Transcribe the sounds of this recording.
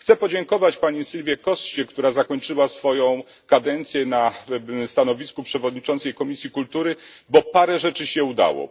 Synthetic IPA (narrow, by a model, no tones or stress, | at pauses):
xt̪sɛpɔd͡ʑɛŋkɔvat͡ɕpaɲisilvʲjɛkɔst͡ɕɛkt̪uɾazakɔɲt͡ʂɘwasfɔjɔ̃w̃ | kad̪ɛnt̪sʲjɛnast̪anɔvʲiskupʂɛvɔd̪ɲit͡ʂɔnt̪sɛjkɔmʲisʲjikult̪uɾɘbɔpaɾɛʐɛt͡ʂɘɕɛud̪a̰wɔ̰